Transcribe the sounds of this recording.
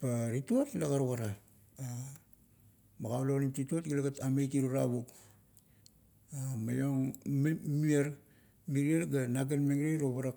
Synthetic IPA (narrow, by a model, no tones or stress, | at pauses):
paɾituatlaɡaɾukaɾa | a | maɡawlonitituotɡilaɡatamejtiɾuɾa̰βuk | ama̰joŋ | miaɾ | miɾialɡanaɡenmeɡɾejɾoβaɾak